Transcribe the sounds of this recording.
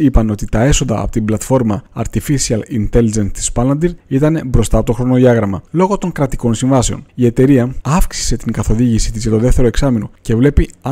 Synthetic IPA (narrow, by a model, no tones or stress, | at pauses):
ipɐno̞t̪it̪ɐe̞so̞nd̪ɐ̰ːpo̥t̪iblɐt̪fo̞ɾmɐɐɾt̪ifisiɐlint̪e̞lid͡ʒent̪i̥spɐlɐnd̪iɾit̪ɐne̞bɾo̞st̪ɐt̪o̞xɾo̞noðiɐɣɾɐmɐlo̞ɣo̞t̪o̞ŋkɾɐt̪i̥ko̞nsiɱvɐse̞o̞̰nie̞t̪e̞ɾiɐɐfksi̥se̞t̪iŋɡɐθo̞ðiʝisit̪izʝɐt̪o̞ðe̞ft̪e̞ɾoe̞ksɐmino̞̰ce̞vle̞piɐ